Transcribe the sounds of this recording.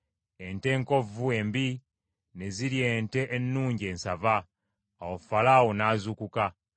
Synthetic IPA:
e̞nte̞ːŋko̞vue̞mbi | ne̞ziɾje̞ːnte̞ʔːnːuːɲɟe̞ːnsavaː | wofalaːwo̞naːzukuka

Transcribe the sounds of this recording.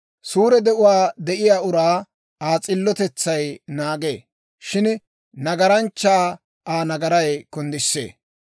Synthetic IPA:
suːɾɛd̪ɛʔʊwaːd̪ɛʔɪjaːʊɾaː | aːt͡sʼɪlːɔt̪ɛt͡sːɐjnaːɡḛː | ʃɪn | nɐɡɐɾɐnt͡ʃːaː | aːnɐɡɐɾɐjkɔnd̪ɪsːḛː

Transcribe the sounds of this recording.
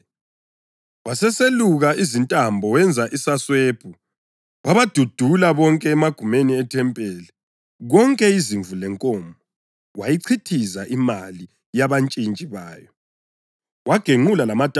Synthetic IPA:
wasɛseluɣaizintʼambʱɔwɛnd͡zʱaʔisaswepʰu | βaβad̥ʱud̥ʱulaβɔŋkʼɛːmaɡ̥ʱumeniɛtʰɛmpʼɛːlɛ | ɣɔŋkʼɛiziɱvʱulɛŋkʼɔːmbʱɔ | wajiǀʰitʰizaʔimali | jaβant͡ʃʼint͡ʃʼiβaːjɔ | waɡ̥ʱeŋulalamatʼ

